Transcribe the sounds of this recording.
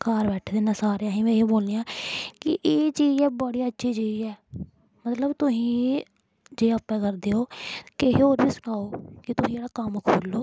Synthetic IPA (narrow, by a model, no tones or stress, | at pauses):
kaːɾbɛːʈʰːd̪eːnãːsaːɾejãːɦĩːmẽːɦeːboːlnijãːkɪʔeːt͡ʃiːd͡ʒɛːbəɽiːətːʃʰiːt͡ʃiːd͡ʒɛː | mət̪ləbt̪ʊsĩː | d͡ʒeːəpːɛ̃ːkəɾd̪eːoːkeɦeoːɾbiːsʊnaːoːkɪt̪ʊsĩːd͡ʒeːɽaːkəmkʰoːlːoː